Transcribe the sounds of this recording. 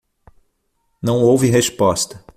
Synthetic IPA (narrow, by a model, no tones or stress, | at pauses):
nɐ̃w̃owviɦespɔst̪ɐ